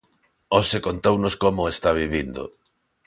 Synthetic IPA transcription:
osekont̪ownoskomʊest̪aβiβind̪o̰

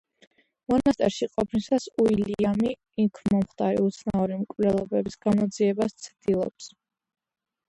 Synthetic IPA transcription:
mɔnast̪ʼɛɾʃiqʼɔpʰnisasuiliamiː | kʰmɔmχt̪ʰʼaɾḭut̪sʰnauɾimkʼvnɛlˠɔbɛbisɡ̥amɔd̪ziɛbast̪sʰd̪̥ilˠɔ̰ps

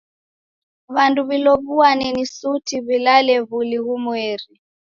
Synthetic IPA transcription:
βanduβilɔβuanɛnisutʰiβilalɛβuliɣumweːri

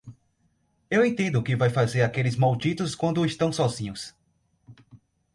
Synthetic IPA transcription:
ewẽt̪ẽnd̪ʊkɪvajfazeɾakelɪzmawd͡ʒit̪ʊskwɐ̃nd̪ʊɪst̪ɐ̃w̃sɔzĩɲʊs

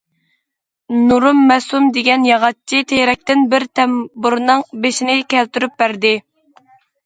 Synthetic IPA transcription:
nuɾumːɛsumd̪eɡʲɛnjɑʁɑt͡ʃʰːit̪ʰejɾɛk̚ʲt̪ɪnbɪɾt̪ʰɛmbuɾnɨŋbeʃinɪkʲʰɛlt̪yɾyp̚bæɾd̪ɪ

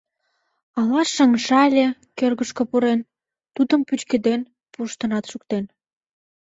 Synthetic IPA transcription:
ɑlɑʃəŋʃɑlʲekørɣəʃkə̆puɾen | t̪ud̪əmpyt͡ɕked̪en | puʃt̪ə̆nɑt̪ʃuk̚t̪en

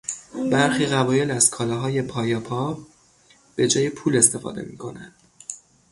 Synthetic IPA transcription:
bæɾxiːɣævɒːje̞læzkʰɒːlɒɦɒːje̞pʰɒːjɒpʰɒː | b̥e̞d͡ʒɒːjepʰuːle̞st̪e̞fɒ̰ːd̪e̞̰mḭːkʰo̞nænd̪̥

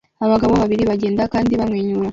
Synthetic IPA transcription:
aβaɡaβo̞βaβiɾiβaɟe̞ːndakaːndiβamŋeːɲuɾa

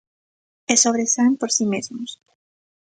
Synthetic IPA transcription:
esoβ̞ɾesampoɾsimezmos

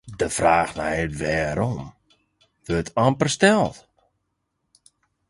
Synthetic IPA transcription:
dəfraːxna̰ɛtʋɛːɾom | ʋøtʰampərstɛlˠt

